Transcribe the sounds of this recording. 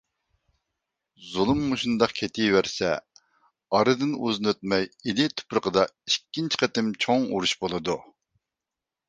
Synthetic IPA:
zulˠumːuʃund̪ɑqkʲʰet̪ʰijvæɾsɛ̰ | ɑɾɨd̪ɨnuznøt̪̚mɛjilɪt̪ʰʊ̥pɾəqʰəd̪ɑikʲːint͡ʃʰɪ̥qʰət̪ɪmt͡ʃʰoŋuɾuʃbolˠɨd̪u

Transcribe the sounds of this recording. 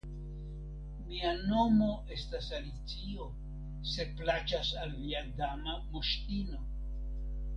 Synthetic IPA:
miano̞mo̞ʔe̞stasalit͡sio̞ | se̞plat͡ʃasalːiadamamoʃtino̞

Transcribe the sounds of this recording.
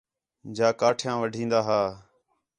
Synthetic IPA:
d͡ʒaːkaːʈʰjãːʋəɖʱĩːnd̪aːɦaː

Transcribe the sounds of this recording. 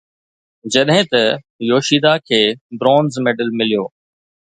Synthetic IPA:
d͡ʑɐɗɦẽt̪ɐ | joːʃiːd̪akʰeːbɾoːnzmeːɖəlmɪlijoː

